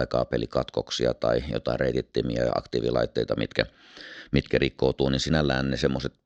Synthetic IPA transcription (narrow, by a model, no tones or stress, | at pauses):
ekɑːpelikɑt̪koksiɑt̪ɑijo̰t̪ɑˑirreˑit̪it̪ːimiæɑɑ̰kt̪iːʋilɑˑit̪ːeˑit̪ɑmḭt̪kæ | mit̪kærikːout̪uːninsinælːæːnːnesemːoset̪